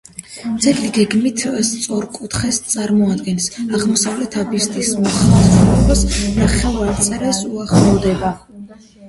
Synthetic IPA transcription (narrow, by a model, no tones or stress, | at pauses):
d̪z̥ʰɛɡliɡɛɡmit̪ʰst̪sʼɔɾkʼut̪ʰχɛst̪sʼaɾmɔad̪ɡɛnsaʁmɔsavlɛt̪ʰabist̪ʰʼismɔχasɔbasɾaχɛlˠaɾt̪sʼɛɾasuaχlˠɔvd̪ɛba